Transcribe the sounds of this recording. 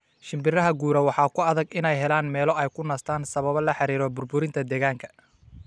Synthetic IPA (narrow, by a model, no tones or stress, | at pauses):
ʃɪmbɪrɐɦɐɡuːɾɐwɑħɑːkʰʊɐðɐɡɪnɛjɦɛlaːnmɛːlɔɛjkʰʊnɐːst̪ʰaːnsɐβɐβɐlɐħɑɾiːɾɔbʊrbʊɾɪnt̪ʰɐd̪ɛːɣaːŋkʰɐ̥